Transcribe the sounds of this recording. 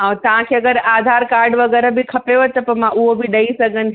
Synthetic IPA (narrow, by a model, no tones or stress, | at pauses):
ɦãːt̪ɐʋ̤ãkʰeɐɡəɾaːd̪ʱaːɾkaːɾɖʋɐɡɛːɾəbɪkʰɐpeot̪ɐpɐmãʔʊɦobɪɗɐisɐɡʱənɪ̆